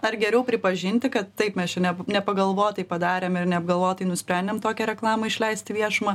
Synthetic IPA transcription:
ɐɾɡʲɛɾʲɛʊpʲɾʲɪpɐʒʲɪnʲt̪ʲɪkɐt̪tɐɪpmʲɛst͡ʃʲɛnʲɛnʲɛpɐɡɐlˠʋoːt̪ʲɪpɐd̪ɑːɾʲeːmɪɾnʲɛɐb̚ɡɐlˠʋoːt̪ʲɪnʊsʲpʲɾʲænʲd̪ʲɛmt̪oːkʲɛɾʲɛklˠɑːmɐɪʃʲlʲɛɪsʲt̪ʲɪʋʲiɛʃʊmɐ

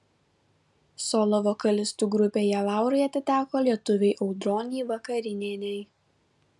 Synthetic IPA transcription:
sɔːlˠɔʋokɐlʲɪst̪uːɡɾʊpʲeːjɛlˠɑˑʊɾɐɪɐt̪ʲɪt̪ʲæːkoːlʲiɛt̪ʊʋʲɛɪʔɒʊd̪ɾoːnʲiːʋɐkɐɾʲɪnʲeːnʲɛj

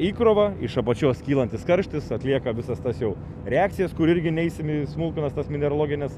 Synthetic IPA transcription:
iːkɾoːʋɐɪʃɐpɐt͡ʃʲoːskʲiːlˠɐnʲt̪ʲɪskɐɾʲʃʲt̪ʲɪsɐt̪ʲlʲiɛkɐʋʲɪsɐst̪ɐsjɛʊ | ɾʲɛɑːkt̪sʲɪjɛskʊɾɪɾʲɡʲɪnʲɛɪsʲɪmismʊlˠkʊnɐst̪ɐsmʲɪnʲɛɾolˠoːɡʲɪnʲɛs

